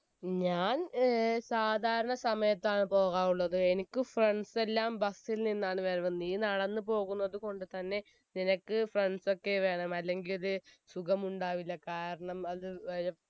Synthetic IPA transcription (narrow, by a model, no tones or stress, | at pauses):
ɲaːnsaːd̪ʱaːɾɐɳɐsɐmɐjɐt̪ːaːɳɨpo̞ːɣaːmuɭːɐðɨe̞nikʲːɨfrɐɳɖse̞lːaːmbɐsːilninːaːɳɨʋeɾɐʋɐnːiːnɐɽɐnːɨpo̞ːɣunːɐðɨko̞ɳɖɨt̪ɐnːe̞ | ninɐkːɨfrɐɳɖso̞kːe̞ʋe̞ːɳɐmɐlːe̞ŋɡilɐlɨsuɣɐmuɳɖaːʋilːɐkaːɾɐɳɐmɐðɨʋɐɾɐ